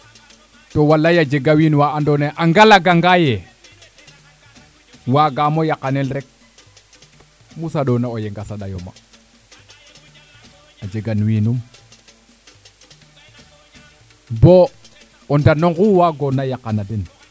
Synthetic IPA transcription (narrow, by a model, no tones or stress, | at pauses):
towalːajad͡ʒeɡawinwaandoneʔaŋɡalaɡaŋɡaje | waɡamojakːanelɾek̚ | musaɗonaojeŋɡasaɗajo̰ma̰ | ad͡ʒeɡanwinum | bo | ondanoŋkuwaɡonajakːanaden